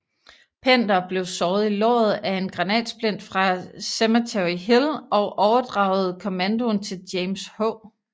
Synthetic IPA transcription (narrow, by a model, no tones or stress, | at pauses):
pʰen̰d̥ɐb̥le̝ʊsɒːð̩ˠilɒ̰ːð̞̩ˠæe̝nɡ̥ʁɑ̈nɛ̰ːd̥sb̥len̰d̥fʁɑ̈semæt͡sʰeiɦilɒ̽ʊʔɒʊɐd̥ʁɑ̰̈ʊð̞̩ˠkʰo̝mænd̥o̝nt͡sʰe̝ld̥jeɪmshɔʊ